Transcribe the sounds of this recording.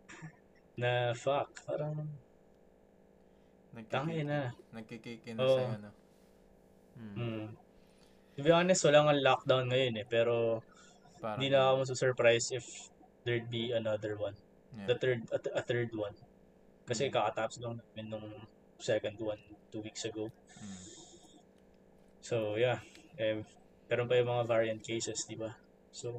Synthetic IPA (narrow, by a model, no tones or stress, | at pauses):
nɐfɐk̚paːɾɐŋ | nt̪ɐŋɛnɐnɐɡ̚kikikɪnoʔn | m̩ː | sɪbɪanɛswɐlaːŋɐnlak̚d̪awnŋɐjo̞nɛpɛːɾo̞ | ɪnd̪inɐaɐmɐs̬usɛɹpɾajsʔɪf | d̪ɛɹd̪̚biɐnɐd̪ɛɹwɐn | d̪ɐt̪ɛɹd̪ɐɐθɛɹd̪wɐn | kɐsɛkakɐt̪aʔpslɐŋnaːmɪnːʊŋ | sɛkɐnd̪wɐnt̪uwiksɐɡow | sojaʔɛ | mɛːɾonpɐjʊŋmɐŋavaɹiɐnt̪̚kejsɛsd̪ɪba | so